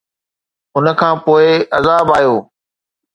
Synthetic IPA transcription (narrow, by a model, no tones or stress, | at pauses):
ʊnə̆kʰãːpoːɪɐzaːbaːjoː